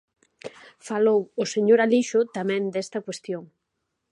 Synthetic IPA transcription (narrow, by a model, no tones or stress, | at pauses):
falowoseɲoɾaliʃʊt̪amɛ̃nd̪est̪ɐkwest̪joŋ